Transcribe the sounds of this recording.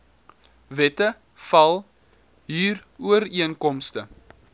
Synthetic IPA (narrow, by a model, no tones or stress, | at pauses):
vɛtə | fɐlˠ | ɦiːruəɾiənkɔmstə